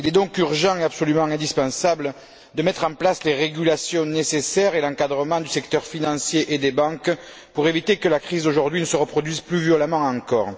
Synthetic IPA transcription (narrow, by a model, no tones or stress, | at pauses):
ilɛd̪ɔ̃kyʁʒɑ̃eapsɔlymɑ̃ɛ̃nd̪ispɑ̃sablə | d̪əmɛt̪χɑ̃plasleʁeɡylasjɔ̃nesesɛʁelɑ̃kad̪ʁəmɑ̃d̪ysɛkt̪œʁfinɑ̃sjeʔed̪ebɑ̃k | puʁevit̪ekəlakχizoʒuʁd̪ɥinəsəʁəpχɔd̪ɥizplyvjɔlamɑ̃ɑ̃kɔʁ